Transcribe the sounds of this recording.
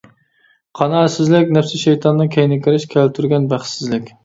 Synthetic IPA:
qʰɑnɑːsɪzlɪkʲnɛfsɪʃɛjt̪ʰɑnːɨkʲʰɛjnɪkʲiɾɪʃkʲʰælt̪ʰyɾɡʲɛnbæχsɪzlɪkʲ

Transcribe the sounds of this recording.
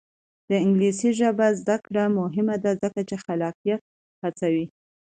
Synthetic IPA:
d̪̥əɪŋɡlisiʒəbazd̪akɽamʊɦɪmad̪azəkat͡ʃexalɑqijat̪̚ | hat͡sawi

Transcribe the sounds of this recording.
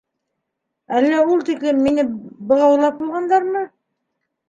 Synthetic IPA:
ælːæulˠt̪iklɘmːinɘbɤ̆lˠɑwlˠɑp̚bulˠʁɑnd̪ɑɾmɤ

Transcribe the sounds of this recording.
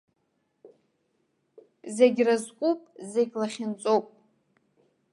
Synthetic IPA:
zeɡʲrazkʷʼupʼzeɡʲlaχʲɪnt͡sʼowpʼ

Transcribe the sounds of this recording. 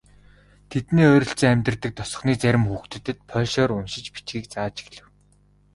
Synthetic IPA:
t̪ʰet̪neːœːɾʲɞ̆ɬt͡seːæmʲt̪̆rt̪ɘ̆k̚t̪ʰɔsɞ̆χniːt͡sæɾʲɪ̆mxuːxt̪ɘ̆t̪ːɘ̆t̪̚pʰœːɮʃɔːɾʊnʃɪ̆t͡ɕpi̥t͡ɕɡiːk̚t͡saːt͡ɕi̥xɮɘ̆w

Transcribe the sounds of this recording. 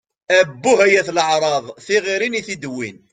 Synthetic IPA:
æbːuɦæjæθləʕɾˤɑðˤθiʁiɾiniθid̪wḭn

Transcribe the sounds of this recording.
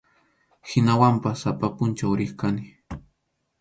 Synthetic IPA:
hɪnawampasapapʊnt͡ʃawɾɪχkanɪ

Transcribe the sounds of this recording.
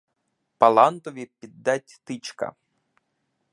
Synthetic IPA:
pɐlˠɑnt̪ɔʋʲipʲid̪ːatʲt̪ɪt͡ʃkɐ̰

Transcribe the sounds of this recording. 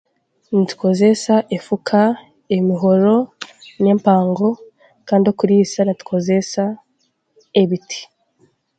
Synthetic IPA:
nitu̥kʰozesaʔefukʰa | emiɦo̞ɾo̞ne̞ːmpaːŋɡo̞ | kaːndiokuɾiːsanatu̥kʰozesa | eβitʰi̥

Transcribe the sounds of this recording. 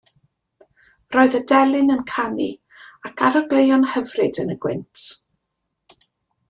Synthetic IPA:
rɔːɨðədɛlˠɨnənkʰanḭ | akʰaɾɔɡlejɔnhəvrɨdənəɡ̥wɪ̰ntʰ

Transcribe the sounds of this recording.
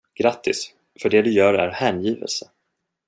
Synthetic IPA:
ɡ̥ɾat̪ʰːɪs | fœɖeːd̪ɵjœːɾæɾhæːnjiːvə̰lsə

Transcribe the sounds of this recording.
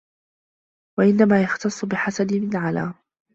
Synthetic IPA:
waʔɪnːamaːjɑxt̪ɑsˤːʊbɪħasanɪmɪlʕala̰ːm

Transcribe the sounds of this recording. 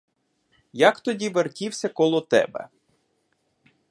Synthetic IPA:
jɐkt̪ɔdʲiʋerkʲiwsʲɐkɔlˠɔt̪ɛ̰bɛ̰

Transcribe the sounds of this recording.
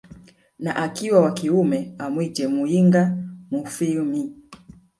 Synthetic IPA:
naʔakiwawakiumɛamwid͡ʒɛmuiŋɡamufimi

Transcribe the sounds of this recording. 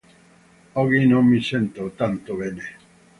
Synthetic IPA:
oɣinõŋmisent̪ot̪ant̪oβene

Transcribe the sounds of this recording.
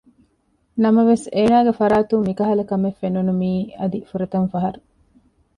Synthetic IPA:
nɐmɐʋeseːnaːɡefɐɾaːt̪ummikɐɦɐlɐkɐmefːenunumiːɐd̪ifuɾɐt̪ɐnfɐɦɐɾu

